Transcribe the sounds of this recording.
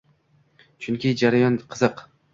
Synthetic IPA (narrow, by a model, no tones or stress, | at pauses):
t͡ʃʰʊŋkʲɪd͡ʒaɾajɒnqʰɨzɨq